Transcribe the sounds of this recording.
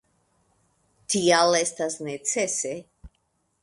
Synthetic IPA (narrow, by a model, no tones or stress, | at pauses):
t̪ialest̪asnet͡sese